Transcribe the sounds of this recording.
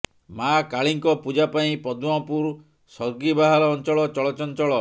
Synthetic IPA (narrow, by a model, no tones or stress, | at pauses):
makaɭiŋkɔpud͡ʒapaĩpɔd̪uapuɾ | sɔɾɡibaɦalɔːnt͡ʃɔɭɔt͡ʃɔɭɔt͡ʃɔnt͡ʃɔɭɔ